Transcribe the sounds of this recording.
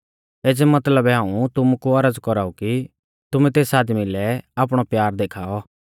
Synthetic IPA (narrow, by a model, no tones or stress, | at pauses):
eːd͡zɛmɐt̪ləbɛɦãːũt̪ʊmukuɐɾəd͡zkɔɾaːuki | t̪ʊmɛ̃t̪eːsaːd̪milɛaːpɽ̃ɔpjaːɾd̪eːkʰaːɔ